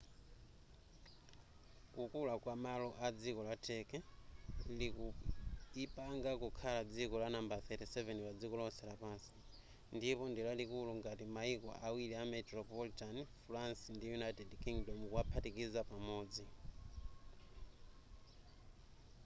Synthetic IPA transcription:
kukulakwamalɔʔad͡zikɔlatʰɛkɛ | li | ipaŋɡakukʰalad͡zikɔlanambaθɛtɛsɛvɛnpad͡zikɔlɔsɛlapasi̥ | ndipɔndilalikuluŋɡatimaikwɔ̰ʔawiliamɛtɾɔpɔlitanfransindijunajtɛdkiŋɡdɔmkuapʰatikizapamɔːd͡zi

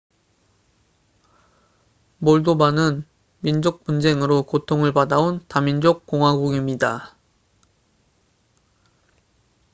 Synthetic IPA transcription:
moɭdobanɯn | mind͡ʑok̚pund͡ʑe̞ŋɯɾokotʰoŋɯɭpadaontamind͡ʑok̚k͈oŋɦwaɡuɡimɲida

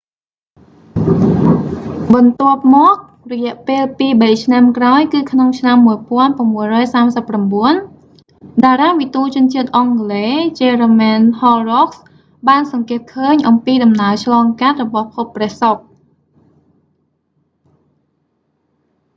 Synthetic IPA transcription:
ɓɑnt̪ŏəp̚mɔək̚ | rɔjɛ̆əʔpeːlpiːɓəjt͡ɕʰnamkraɔjkɨːkʰnoŋt͡ɕʰnamːuəjpŏənpramːuəjrɔːjsaːmsəpːramɓuən | ɗaːɾaːʋit̪uːt͡ɕʊ̆ənt͡ɕiət̪̚ʔɑŋleːt͡ɕeːəromɛnhɔːroks | ɓaːnsɑŋkɛət̪̚kʰəːɲʔɑmpiːɗɑmnaət͡ɕʰlɑːŋkat̪̚rɔɓɑhpʰopːrɛ̆əhsok̚

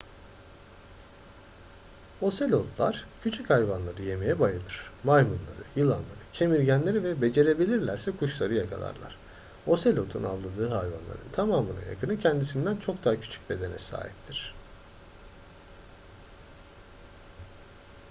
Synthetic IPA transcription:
o̞se̞lʲo̞t̪ʰlˠa̰ɾ̥cʰyt͡ʃʰychajvanlˠaɾɯje̞me̞jɛbajɯlˠɯɾ̥majmɯnlˠa̰ɾɯ̰jɯlˠanlˠa̰ɾɯcʰe̞miɾɟænlʲe̞ɾivɛbe̞d͡ʒe̞ɾe̞bilʲiɾlʲæɾsɛkʰuʃlˠaɾɯjakʰa̰lˠa̰ɾlˠa̰ɾ̥ | o̞selʲo̞t̪ʰunavlˠad̪ɯːɦajva̰nlˠa̰ɾɯ̰nt̪ʰamaːmɯna̰ja̰kʰɯnɯcʰɛnd̪isind̪ænt͡ʃʰo̞kd̪aɦacʰy̥t͡ʃʰy̥c̚be̞d̪e̞nɛ̰sa̰ːɦip̚t̪ʰiɾ̝̥

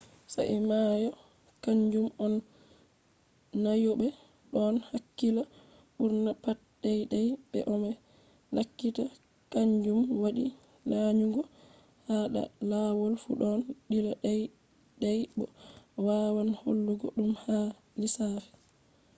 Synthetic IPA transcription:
sa̰ʔimajɔ | kaɲd͡ʒumɔn | ajɔɓɛ | ɗɔnhakːila | ɓuɾnapat̚ɗɛjɗɛjɓɛ̰ʔɔmɛ | lakːita | kaɲd͡ʒumwaɗi | laɲuŋɡɔ | haɗa̰lawɔlfṵɗɔnɗilaɗaj | ɗajbɔwaːwanho̰lːuɡɔ̰ɗumha | lisafɛ̥

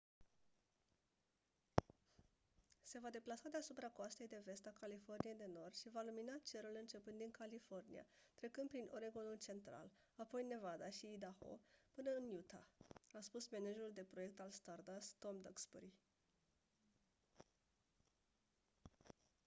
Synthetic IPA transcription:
se̞vad̪e̞plasad̪e̞asupɾakoast̪e̞jd̪e̞ve̞st̪akalifo̞rnije̞jd̪e̞no̞rd̪̥ʃivaluminat͡ʃe̞ɾulɨnt͡ʃe̞puɨnt̪iŋkalifo̞rnḭa̰t̪ɾe̞kɨnd̪̚pɾinʔoɾeɡonult͡ʃe̞nt̪ɾa̰l | apo̞jne̞vad̪aʃiːd̪axo̞̰pɨnəɨnjut̪aaspusme̞ned͡ʒeɾuld̪e̞pɾo̞je̞k̚t̪alst̪ard̪ast̪o̞md̪əkspoɾi

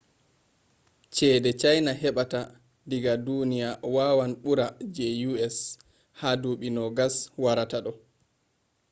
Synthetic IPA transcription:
t͡ʃɛːdɛt͡ʃajnaɦɛɓata | diɡadunijawaːwanɓuɾad͡ʒɛjuɛs | haduɓinɔɡaswaɾataɗɔ

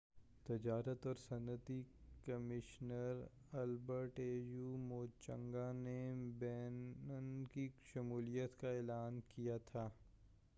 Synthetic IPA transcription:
t̪ɪd͡ʒaːɾət̪ɔːɾsɐ̃nət̪ikɐmɪʃnəɾ | ɐlbəɾʈeːjuːmoːt͡ʃə̃ŋɡanebɛːnənkiʃɐmuːlijət̪kaeːlaːnkijat̪ʰaː

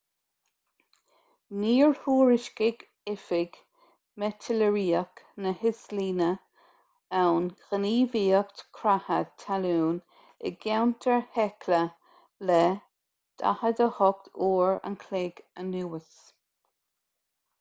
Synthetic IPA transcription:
niːɹhuːɹɪʃkɪɡ | ɪfɪɡ | mɛtʰɪləɹiːəknəhɪsliːnə | awnxəniːviːəkt̪kʰɾahad̚t̪ʰːaluːn | ɪ̰ɡawnt̪ʰəɹhɛkʰlə | lɛ | d̪̥ʰa̰həd̪əhɔk̚t̪ʰuːɹə̰nkʰlɪɡənuːəs

